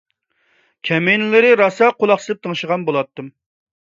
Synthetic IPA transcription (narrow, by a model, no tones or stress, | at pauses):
kʲʰɛmejnɪlɪɾɪɾɑsɑqʰolˠɑχsɨlˠɪp̚t̪ʰəŋʃəʁɑnbolˠɑt̪ːɨm